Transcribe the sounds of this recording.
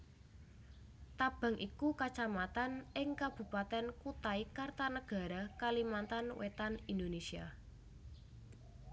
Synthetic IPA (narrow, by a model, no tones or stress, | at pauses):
t̪ab̥a̤ŋʔikukat͡ʃamat̪anɪŋkab̥ṳpat̪ɛnkut̪aikart̪anəɡ̥a̤ɾakalimant̪anwʔḛt̪anind̪onesia̰